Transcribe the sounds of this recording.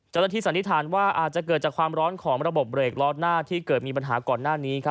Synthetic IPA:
t͡ɕa˥˩wna˥t̪ʰiː˥˩sa˩˦nt̪i˦˥t̪ʰaː˩˦nwaː˥˩ʔa̰ː˨˩t̪̚t͡ɕa˨˩k̬ɤː˨˩t̪̚t͡ɕaː˨˩kʰwaː˧mɾɔː˦˥nkʰɔː˩˦ŋɾa˧bo˨˩p̚ɾeː˨˩k̚lɔː˦˥t̪̚naː˥˩t̪ʰiː˥˩kɤː˨˩t̪̚miː˧p̬a˧nɦaː˩˦kɔː˨˩nːaː˥˩niː˦˥kʰa˦˥

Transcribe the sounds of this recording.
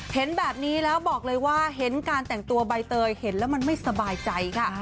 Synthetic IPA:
he˩˦nbɛː˨˩p̚niː˦˥lɛː˦˥wbɔː˨˩k̚lɤː˧jwaː˥˩ɦe˩˦nkaː˧nt̪ɛ˨˩ŋt̪u˧ɐba˧jt̪ɤː˧jhe˩˦nlɛː˦˥wma˧nma˥˩jsa˧baː˧jt͡ɕa˧jkʰa˥˩

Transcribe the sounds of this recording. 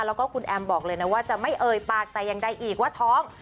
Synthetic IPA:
lɛː˦˥wkɔː˥˩kʰu˧nʔɛː˧mbɔː˨˩k̚lɤː˧jna˦˥waː˥˩t͡ɕa˨˩ma˥˩jʔɤː˧jpaː˧˩k̚t̪ɛː˨˩ja˧ŋda˧˩jʔiː˨˩k̚waː˥˩t̪ʰɔː˦˥ŋ

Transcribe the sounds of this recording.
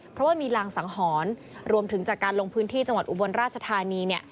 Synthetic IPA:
pʰɾɔ˦˥waː˥˩miː˧laː˧ŋsa˩˦ŋɦɔː˩˦n | ɾu˧əmt̪ʰɯ˩˦ŋt͡ɕaː˨˩kːaː˧nlo˧ŋpʰɯː˦˥nt̪ʰiː˥˩t͡ɕa˧ŋwa˨t̪̚ʔu˨˩bo˧nɾaː˥˩t̪̚t͡ɕʰa˧t̪ʰaː˧niː˧ni˥˩ə

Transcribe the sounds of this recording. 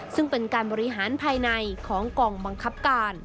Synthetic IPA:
sɯ˥˩ŋpe˧nkaː˧nbɔː˧ɾi˦˥ɦaː˩˦npʰaː˧jna˧jkʰɔː˩˦ŋkɔː˧ŋba˧ŋkʰa˦˥p̚kaː˧n

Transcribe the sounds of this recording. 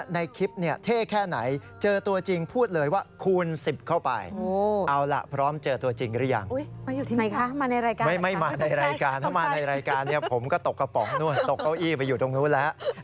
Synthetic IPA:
na˧jkʰi˦˥p̚ni˥˩ɐt̪ʰeː˥˩kʰɛː˥˩na̰˩˦j | t͡ɕɤː˧t̪u˧ɐt͡ɕi˧ŋpʰuː˥˩t̪̚lɤː˩˦jwaː˥˩kʰu˧nsi˨˩p̚kʰa˥˩wpa̰˧jo˧ʔa˧wla̰˨˩pʰɾɔː˦˥mt͡ɕɤː˧t̪u˧ɐt͡ɕi˧ŋdɯ˦˥˩ja̰˧ŋo˦˥jmaː˧juː˨˩i˥˧na˧jkʰa˦˥maː˧na˧jɾaː˧jkaːma˥˩jma˥˩jmaː˧na˧jɾaː˧jkaː˧nt̪ʰa˥˩maː˧na˧jɾaː˧jkaː˧nːi˥˩ɐpʰo˩˦mkɔ˥˩t̪o˨˩kːa˧pɔː˩k̚nu˥˩əjt̪o˨˩kʔa˧˩wʔiː˥˩pa˧jːuː˨˩t̪o˧ŋnuː˦˥lɛ˦˥ʔ

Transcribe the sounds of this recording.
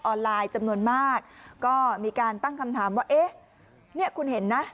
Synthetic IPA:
ʔɔː˧nlaː˧jt͡ɕa˧mnu˧ənmaː˥˩k̚ːɔː˥˩miː˧kaː˧nt̪a˥˩ŋkʰa˧mt̪ʰaː˩˦mwaː˥˩ʔeː˦˥˩ | ni˥˩əkʰu˧nɦe˩˦nːa˦˥

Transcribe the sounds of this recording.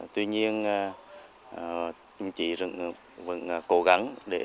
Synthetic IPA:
t̪wi˧ɲi˧ən˧˨˩ | t͡ɕʊ˨˩ŋ͡mt͡ɕḭ˧˨zɨ̰˧˨ŋ˨ | və̰˨ŋː˨˩ko˧˦ɣa˧˦ŋɗe˧˩

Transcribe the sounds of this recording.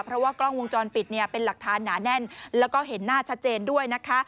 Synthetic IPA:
pʰɾɔ˦˥waː˥˩klɔ˥˩ŋwo˧ŋt͡ɕɔː˧npi˨˩t̪̚ni˥˩ɐpe˧nla˨˩k̚t̪ʰaː˩˦nːaː˩˦nɛ˥˩nlɛː˦˥wkɔː˥˩ɦe˩˦nːaː˥˩t͡ɕʰa˦˥t̪̚t͡ɕeː˧ndu˥˩əjna˦˥kʰa˦˥

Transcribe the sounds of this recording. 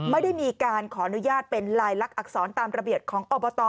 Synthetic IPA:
ma˥˩jda˥˩jmiː˧kaː˧nkʰɔː˩˦ʔa˧nu˦˥jaː˥˩t̪̚pe˧nɾaː˧jla˦˥k̚ʔa˨˩k̚sɔː˩˦nt̪aː˧mɾa˧bi˨˩ət̪̚kʰɔː˩˦ŋʔɔː˧bɔː˧t̪ɔː˧

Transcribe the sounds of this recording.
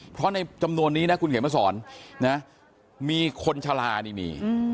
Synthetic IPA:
pʰɾɔ˦˥na˧jt͡ɕa˧mnu˧ənːiː˦˥na˦˥kʰu˧nkʰːmaː˦˥˩sɔː˩˦nːa˦˥ | miː˧kʰo˧nt͡ɕʰa˧laː˧niː˦˩mḭː˧

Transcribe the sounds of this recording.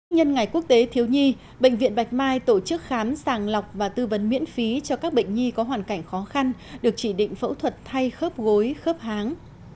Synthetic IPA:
ɲə˧nŋa˨˩jku˦˥ək̚t̪e˨˦t̪ʰi˨˦əwɲi˧ | ɓə̰˧˨jŋ̟vḭ˧ənɓa˨˩jk̟̚maː˧jt̪o˧˩t͡ɕɨ˦˥k̚xaː˨˦msaː˨˩ŋla˨˩wk͡p̚vaː˨˩t̪ɨ˧və˨˦nmḭ˧˥ənfi˨˦t͡ɕɔ˧kaː˦˥k̚ɓḛ˧˨ŋ̟ɲi˧kɔ˨˦ɦwaː˨˩nka˧˩jŋ̟xɔ˨˦xa˧nɗɨ˨˩ək̚t͡ɕi˧˩ɗḭ̈˧˨ŋ̟fə̰˧˥wt̪ʰwə˨˩t̚t̪ʰa˧jxəː˦˥p̚ɣo˨˦jxəː˦˥p̚haː˨˦ŋ

